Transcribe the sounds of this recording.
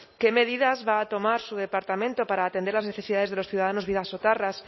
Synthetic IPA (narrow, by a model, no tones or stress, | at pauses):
ke̞me̞ðiðazβaːt̪o̞maɾsuðe̞paɾt̪amẽnt̪opaɾaːt̪end̪elazne̞θesiðaðezðe̞lo̞sθjuðaðano̞zβiðasot̪aras